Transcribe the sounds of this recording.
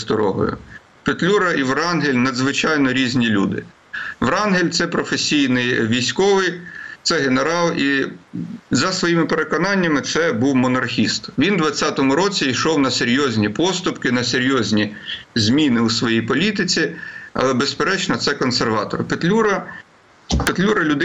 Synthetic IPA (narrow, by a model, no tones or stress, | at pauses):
sd̪ɔɾɔ̰ɦɔ̰jʊ̰ | pet̪lʲuɾɐʔiʋɾɑnɦɪlʲnɐd̪zʋɪt͡ʃɑjnɔɾʲizʲnʲilʲṵd̪ɪ̰ | ʋɾɑnɦelʲt̪sɛpɾɔfesʲijnɪjʋʲijsʲkɔʋɪjt̪sɛɦeneɾɑlˠi | zɐsʋɔjimɪpeɾekɔnɑnʲːɐmɪt̪sɛbuwmɔnɐrxʲist̪ʋʲind̪ʋɐt͡sʲːat̪ɔmʊɾɔt͡sʲiiʃɔwnɐseɾʲjɔzʲnʲipɔst̪ʊpkɪnɐseɾʲjɔzʲnʲi | zʲmʲinɪusʋɔjijpɔlʲit̪ɪt͡sʲiɐ̰lˠɛbespeɾɛt͡ʃnɔt̪sɛkɔnserʋɑt̪ɔ̰rpet̪lʲuɾɐ | pet̪lʲuɾɐlʲʊd̪